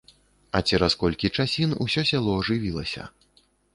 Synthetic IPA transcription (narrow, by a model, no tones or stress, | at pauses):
ɐt͡sʲɛɾɐskɔlʲkʲit͡ʂasʲinṵsʲɔsʲalˠɔːʐɨvʲilˠɐ̰sʲɐ̰